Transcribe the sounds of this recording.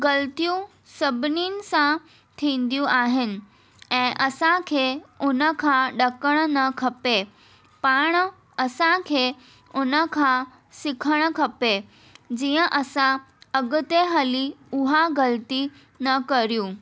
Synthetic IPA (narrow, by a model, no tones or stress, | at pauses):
ɡɐlt̪ijũ | sɐbʱɪninɪ̆sã | t̪ʰĩːn̆d̪ijũʔaːɦɪnɪ̆ | ɛ̃ːʔɐsãkʰeːʊnə̆kʰãɗɐkəɽ̃nɐkʰɐpe | paːɽ̃ | ɐsãkʰeː | ʊnə̆kʰã | sɪkʰəɽ̃ə̆kʰɐpe | d͡ʑiːə̃ʔɐsã | ɐɡʊt̪eɦɐliʊɦaɡɐlt̪i | nɐkɐɾijũ